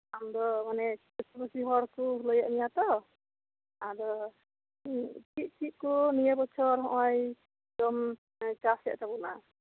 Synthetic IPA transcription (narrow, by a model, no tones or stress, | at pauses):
amd̪ɔmanɛ | sibasiɦɔɾkuɦlɔjaʔnijat̪ɔ | ad̪ɔ | t͡ʃiʔ̚t͡ʃʰiʔ̚kɔnijabɔt͡ʃʰɔɾɦɔ̃ʔɔj | dɔm | t͡ʃasja̰ʔt̪abuʔna